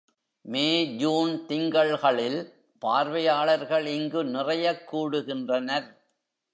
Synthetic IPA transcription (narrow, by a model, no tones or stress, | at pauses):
meːd͡ʒuːnt̪ɪŋɡɐɭɣɐɭɪl | paːɾʋɐjaːɭɐɾɣɐɭɪŋɡɯnɪrɐjɐkːuːɽɯɣɪndrɐnɐɾ